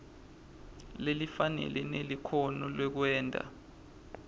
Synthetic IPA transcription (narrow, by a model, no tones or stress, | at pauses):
lelifanɛ̰lʔɛnelikʰonɔlwɛk̬wɛːndʼʱa̰